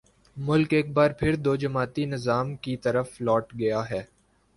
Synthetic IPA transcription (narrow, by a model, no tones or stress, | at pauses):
mʊlkeːk̚baːɾpʰɪɾd̪oːd͡ʒɐmaːt̪inɪzaːmkit̪ɐɾəflɔːʈɡɐjaɦɛː